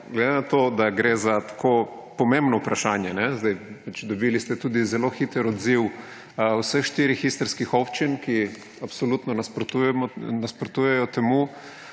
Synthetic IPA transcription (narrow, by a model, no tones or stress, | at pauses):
ɡled̪enat̪od̪aɡɾeːzat̪ḁkʰoː | pɔmẽmbnɔupɾaʃaːnjɛnɛzd̪ajpat͡ʃd̪ɔbilist̪ɛt̪uːd̪izɛloxit̪ɛɾɔd̪ziw | wsəxʃt̪iɾixist̪əɾskixɔpt͡ʃinki | apsolut̪nɔnaspɾt̪uɛmnaspɾɔt̪ujɛjɔt̪ɛmu